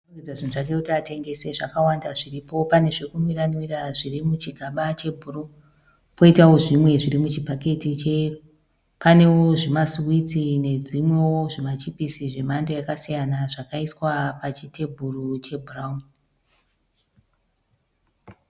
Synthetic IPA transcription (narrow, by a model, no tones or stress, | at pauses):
kid͡zaʐinuʐake̞utate̞ŋɡe̞se̞ʐakawandaʐiripo̞pane̞ʐekumiranwiraʐirimut͡ʃiɡʱaɓat͡ʃe̞bʱuro | po̞itaoʐimwe̞ʐiɾimut͡ʃipake̞tit͡ʃe | pane̞woʐimaswit͡sine̞d͡zimwe̞woʐimat͡ʃipisiʐe̞mando̞jakasijanaʐakaiswapat͡ʃite̞bʱurut͡ʃe̞bʱuraun